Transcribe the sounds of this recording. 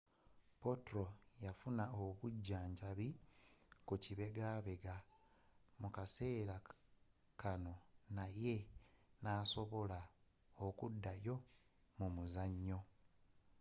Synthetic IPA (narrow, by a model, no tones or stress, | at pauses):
po̞tɾojafunaoβuɟːaːɲɟaβi | kuciβe̞ɡaːβe̞ɡa | mukase̞ːɾa | kano̞naje̞naːso̞βo̞la | okudːajo̞ | mumuzaɲːo̞